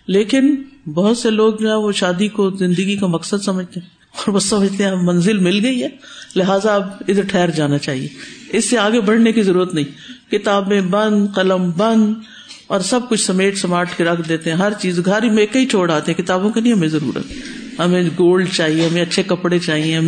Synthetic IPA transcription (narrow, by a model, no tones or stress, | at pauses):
leːkɪnbɐɦʊt̪seloːɡ̚d͡ʒoɦɛ̃ʋoʃaːd̪ikozɪ̃nd̪əɡikamɐksəd̪sɐməd͡ʒʱt̪eɦɛ̃ | ɔːɾʋosɐməd͡ʒt̪eɦɛ̃mmɐ̃nzɪlmɪlɡɐiɦɛː | lɪɦaːzaɐbɪd̪əɾʈʰɛːɾd͡ʒaːnat͡ʃaːɦiḛɪsːeaːɡebɐɽ̤nekizɐɾuːɾət̪nɐɦĩːkɪt̪aːbẽbɐ̃nd̪qɐləmbɐ̃nd̪ | ɔːɾsɐb̚kʊt͡ʃʰsɐmeːʈsɐmaːɾʈkeɾɐkʰd̪eːt̪eɦɛ̃ɦɐɾt͡ʃiːzɡʱaɾimeːkːɐit͡ʃʰoːɽaːt̪eɦɛ̃kɪt̪aːbõkanɦĩɦɐmẽzɐɾṵːɾə̰t̪ʰɛ | ɦɐmẽɡoːlɖt͡ʃaːɦiẽɦɐmẽɐtːʃʰekɐpɽet͡ʃaːɦiẽ